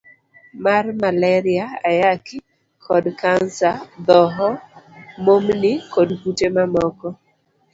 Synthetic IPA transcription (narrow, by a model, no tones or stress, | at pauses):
marmalɛɾɪaajakɪ | kʰɔdkansad̪ɔɦɔmomnɪkɔdkutemamɔkɔ